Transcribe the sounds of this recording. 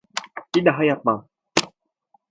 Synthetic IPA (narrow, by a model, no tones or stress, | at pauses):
tiɗaɦajapa